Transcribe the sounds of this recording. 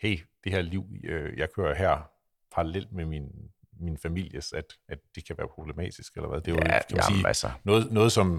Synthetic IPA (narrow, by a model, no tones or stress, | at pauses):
heɪ̰d̥e̝hæɐ̰liʊ̰øjɑ̈ɪkʰøːɐɦæɐ̰ | pʰɑ̈ɑlel̰d̥̚memin | minəfæmil̰jəsæd̥æd̥ːd̥e̝kʰæʋæːɐpʰʁo̝b̥le̝mɛ̰ːd̥isɡ̥elɐʋæð̞ˠd̥e̝ʋkʰæmæniːæsnɔ̽ːð̩ˠnɔ̽ːð̩ˠsɒ̽m